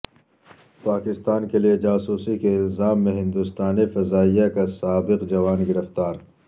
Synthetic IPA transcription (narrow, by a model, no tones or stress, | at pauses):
paːkɪst̪aːnkelijed͡ʒaːsuːsikeɪlzaːmːẽɦɪ̃nd̪ust̪aːnifɐzaːijakasaːbɪqd͡ʒɐʋaːnɡɪɾəft̪aːɾ